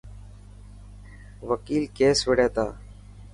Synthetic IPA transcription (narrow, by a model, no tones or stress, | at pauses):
ʋəkiːlkeːsʋeɽeːt̪a̰ː